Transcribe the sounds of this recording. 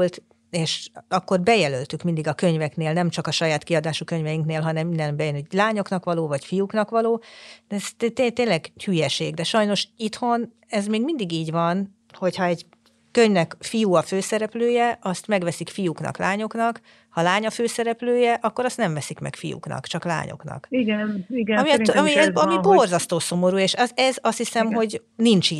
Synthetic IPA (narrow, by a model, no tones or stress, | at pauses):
lt̪ | eːʃɒkːo̞rbɛjɛlølt̪ykmind̪iɡɒkø̞ɲvɛkneːlnɛmt͡ʃɒkɒʃɒjaːt̪kiɒd̪aːʃukøɲvɛjiŋkneːlɦɒnɛmind̪ɛnbɛjnɛɟlaːɲo̞knɒkʋɒloːvɒcfijuknɒkʋɒloːd̪̥ɛɛst̪t̪et̪eːlɛɡhyjɛʃeːɡd̪ɛʃɒjno̞ʃit̪ho̞n | ɛzmeːɡmind̪iɡiːɟvɒn | ho̞chɒɛɟ | køɲvnɛkfijuɒføːsɛɾɛpløːjɛʔɒst̪mɛɡʋɛsikfijuknɒ̰klaːɲo̞knɒk | hɒlaːɲɒføːsɛɾɛpløːjɛʔɒkːo̞ɾɒst̪nɛɱvɛsikmɛ̰kfijṵknɒ̰kt͡ʃɒkla̰ːɲo̞̰knɒ̰kiɡɛniɡɒmiɒmiɛzɒmiborzɒst̪oːso̞mo̞ɾuːeːʃɛɛzɒst̪hisɛmɦo̞ɟnint͡ʃi